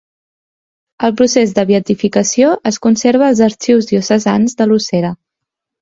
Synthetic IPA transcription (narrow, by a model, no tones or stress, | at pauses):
əlˠpɾusezðəβiət̪ifikəsioʔəskunseɾβ̞əːlˠzəɾt͡ʃiwzðiusəzanzðəluseɾə